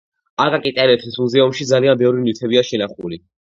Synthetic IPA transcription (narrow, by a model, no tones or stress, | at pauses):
akʼakʼit̪ʼɛlɛt̪ʰismuzɛumʃid̪zalianbɛvɾinit̪ʰɛbiaʃɛnaχṵli